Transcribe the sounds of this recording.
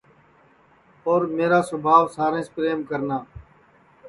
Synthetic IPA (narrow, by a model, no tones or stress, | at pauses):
oːɾmeːɾaːsʊbʱaːʋsaːɾẽːspɾeːmkəɾnaː